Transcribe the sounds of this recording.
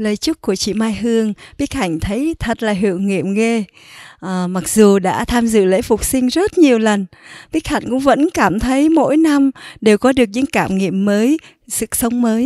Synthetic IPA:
ləː˨˩jt͡ɕɨ˦˥t̚ku˧˩ət͡ɕḭ˧˨maː˧jɦɨ˧əŋɓi˦˥ək̚ha˧˩jŋ̟t̪ʰə˨˦jt̪ʰə˨˩t̚laː˨˩ɦḭ˧˨əwŋŋḭ˧˨əmŋe˧ | ʔːma˨˩k̚zu˨˩ɗa̰ː˧˥t̪ʰaː˧mzɨ̰˧˨lḛ˧˥fʊ˨˩k͡p̚sï˧ŋ̟zə˦˥t̚ɲi˨˩əwlə˨˩n | ɓi˦˥ək̚ha̰˨˧˩jŋ̟kʊ̰˧˥ŋ͡mvə̰˧˥nkaː˧˩mt̪ʰə˨˦jmo̰˧˥jna˧mɗe˨˩wkɔ˨˦ɗɨ˨˩ək̚ɲɨ̰˧˥ŋkaː˧˩mŋḭ˧˨əmːəː˨˦j | sɨ̰˧˨sə˨˦wŋ͡mməː˨˦j

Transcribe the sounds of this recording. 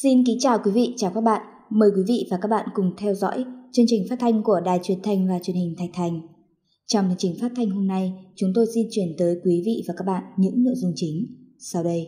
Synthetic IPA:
si˧nki˨˦ŋt͡ɕaː˨˩wkwi˨˦vḭ˧˨t͡ɕaː˨˩wkaː˦˥k̚ɓa̰ː˧˨n | məː˨˦jkwi˨˦vḭ˧˨vaː˨˩kaː˦˥k̚ɓa̰ː˧˨nkʊ˨˩ŋ͡mt̪ʰɛ˧wzɔ̰˧˥jt͡ɕɨ˧əŋt͡ɕï˨˩ŋ̟faː˦˥t̚t̪ʰa˧jŋ̟ku˧˩əɗaː˨˩jt͡ɕwi˧˩ənt̪ʰa˧jŋ̟vaː˨˩t͡ɕwi˨˩ənhï˨˩ŋ̟t̪ʰa˨˩jk̚t̪ʰa˨˧˩jŋ̟ | t͡ɕɔ˧wŋ͡mhə˧˨t͡ɕï˨˩ŋ̟faː˦˥t̚t̪ʰa˧jŋ̟ɦo˧mna˧jt͡ɕʊ˨˦ŋ͡mt̪o˧jsi˧nt͡ɕwi˧˩ənt̪əː˨˦jkwi˨˦vḭ˧˨vaː˨˩ka˦˥k̚ɓa̰ː˧˨nɲɨ̰˧˥ŋno̰˧˨jzʊ˧ŋ͡mt͡ɕï˨˦ŋ̟sa˧wɗə˧j

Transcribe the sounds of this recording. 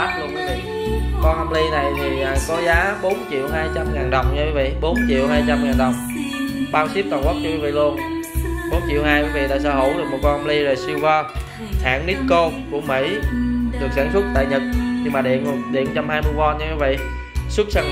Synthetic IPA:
aː˦˥lu˧ənkwvḭ˧˨ | kɔ˧nʔə˧mli˧na˨˩jt̪ʰiː˨˩˨kɔ˨˦zaː˨˦ɓo˨˦nt͡ɕḭ˧˨əwhaː˧jt͡ɕa˧mŋaː˨˩nɗə˨˩wŋ͡mɲa˧kwi˨˦vḭ˧˨ɓo˨˦nt͡ɕḭ˧˨əwhaː˧jt͡ɕa˧mŋaː˨˩nɗə˨˩wŋ͡m | ɓaː˧wsi˦˥p̚t̪aː˨˩kɔ˦˥t̚t͡ɕɔ˧kwi˨˦vḭ˧˨lu˧ənɓo˨˦nt͡ɕḭ˧˨əwhaː˧jkwvḭ˧˨t̪a̰ː˧˨sə̰ː˧˦ɦo̰˧˩ɗɨ˨˩mo˨˩t̚kɔ˧nʔə˧mli˧zoː˨˩jsi˧wvɔ˧ | ha̰ː˧˨ŋni˦˥t̚ko˧ku˧˩əmḭ˧˥ɗɨ˨˩ək̚saː˧˩nsʊ˦˥t̚t̪a̰ː˧˨jɲə˨˩t̚ɲɨ˧maː˨˩ɗḭ˧˨ən˨˩ɗḭ˧˨ənt͡ɕa˧mhaː˧jmɨ˧əvɔ˧nɲɨ˧ki˧˨˦vḭ˧˨ | sʊ˦˥k̚saː˧ŋ

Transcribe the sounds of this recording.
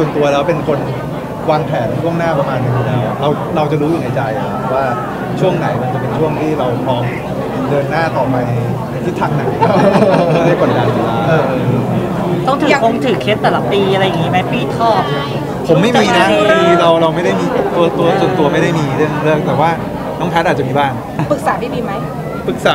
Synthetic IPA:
su˨˩ə˩nt̪u˧ɐlɛː˦˥wpe˧nkʰo˧n | waː˧ŋpʰɛː˩˦nt͡ɕʰu˥˩əŋnaː˥˩pɾa˧maː˧nka˧t̪uː˧lɛː˨˦˥wʔa̰˨˩ɾa˧w | ɾa˧wt͡ɕa˨˩ɾuː˦˥ju˨˩na˧jt͡ɕa˧jʔa˩kʰa˦˥p̚waː˥˩ | t͡ɕʰu˥˩əŋna˩˦jma˧nt͡ɕa˨˩pe˧nt͡ɕʰu˥˩əŋt̪ʰiː˥˩ɾa˧wpʰɔː˦˥m | dɤː˧nːaː˥˩t̪ɔː˨˩maː˧na˧j̪ʰ | i˥˩t̪ʰːaː˦˥ŋna˨˩˦j | da˥˩jka˨˩t̪̚ɡaː˧˩ja˨˧˩laː˧˦˧t̪ɔ˥˩ŋt̪ʰɯː˨˩˧kʰo˧˥˩ŋt̪ʰɯː˨˩kʰːe˦˥t̪ːɛː˨˩la˨˩p̚t̪iː˧ʔa˧ɾa˧jːa˨˩ŋːiː˦˥ma˦˥jpiː˥˩t̪ʰɔː˥˩p̚ | pʰo˩˦mːa˥˩jmiː˧na˦˥i˧ɾa˧wɾa˧wma˥˩jda˥˩jmiː˧˨˩t̪u˧ɐt̪u˧ɐsu˨˩ənt̪u˧ɐma˥˩jda˥˩jmiː˧ɾɯ˥˩əŋ˧ɾɯ˥˩ək̚t̪ɛː˨˩waː˥˩ | nɔː˦˥ŋpʰɛ˦˥t̪̚ʔa˨˩t͡ɕa˨miː˧baː˥˩ŋ | pɯ˨˩k̚saː˩˦ma˥˩jmiː˧ma˦˥j | pɯ˨˩k̚saː˨˦

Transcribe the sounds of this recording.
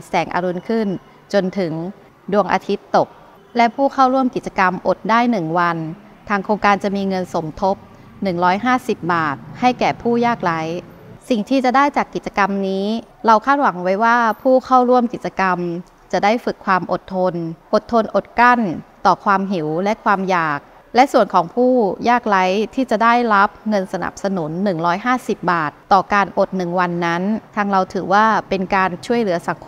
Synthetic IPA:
sɛː˩˦ŋʔa̰ː˧ɾu˧nkʰɯ˥˩n | t͡ɕo˧nt̪ʰɯ˨˩˦ŋ | du˧˩əŋʔa̰ː˧t̪ʰi˦˥t̪ːo˨˩k̚ | lɛ˦˥pʰuː˥˩kʰa˥˩wɾu˥˩əmki˨˩t̪̚t͡ɕa˧ka˧mʔo˨˩t̪̚daː˥˩jnɯ˨˩ŋwa˧n | t̪ʰaː˧ŋkʰɾoː˧ŋkaː˧nt͡ɕa˨˩miː˧ŋɤ˧nso˩˦mt̪ʰo˦˥p̚ | nɯ˨˩ŋɾɔː˦˥jɦaː˥˩si˨˩p̚baː˨˩t̪̚ha˥˩jkɛː˨˩pʰuː˥˩jaː˥˩k̚la˨˦˥j | si˨˩ŋt̪ʰiː˥˩t͡ɕa˨˩daː˥˩jt͡ɕaː˨˩kːi˨˩t̪̚t͡ɕa˧ka˧mniː˦˥ | ɾa˧wkʰaː˥˩t̪̚wa˩˦ŋwa˦˥jwaː˥˩pʰuː˥˩kʰa˥˩wɾu˥˩əmki˨˩t̪̚t͡ɕa˧ka˧m | t͡ɕa˨˩daː˥˩jfɯ˨˩kʰːwaː˧mʔo˨˩t̪ʰːo˧nʔo˨˩t̪ʰːo˧nʔo˨˩t̪̚ka˥˩nt̪ɔː˨˩kʰwaː˧mɦi˩˦wlɛ˦˥ʔkʰwaː˧mjaː˨˩k̚ | lɛ˦˥ʔsu˨˩ənkʰɔː˩˦ŋpʰuː˥˩jaː˥˩k̚la˦˥jt̪ʰiː˥˩t͡ɕa˨˩ʔdaː˥˩jɾa˦˥p̚ŋɤ˧nsa˧na̰˨˩p̚sa˧nu˩˦nːɯ˨˩ŋɾɔː˦˥jɦaː˥˩si˨˩p̚baː˨˩t̪ːɔː˨˩kaː˧nʔo˨˩t̪̚nɯ˨˩ŋwa˧nːa˦˥nt̪ʰaː˧ŋɾa˧wt̪ʰɯː˩˦waː˥˩pe˧nkaː˧nt͡ɕʰu˥˩əjlɯ˨˩˦ɐsa˩˦ŋkʰ

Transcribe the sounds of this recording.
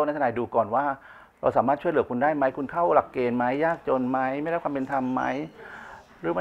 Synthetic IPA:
o˧˩na˧jt̪ʰnaː˨˧˩duː˧kɔː˨˩nwaː˥˩ | ɾa˧wsaː˩˦maː˥˩t̪̚t͡ɕʰu˥˩əjlɯ˩˦kʰu˧ndaː˥˩jma˦˥jkʰu˧nkʰa˥˩wla˨˩kːeː˧nma˦˥jːaː˥˩k̚t͡ɕo˧nma˦˥jm˥˩jda˥˩kʰwaː˧pe˧nt̪ʰa˧mːa̰˦˥j | ɾɯː˨˦ma˧˥

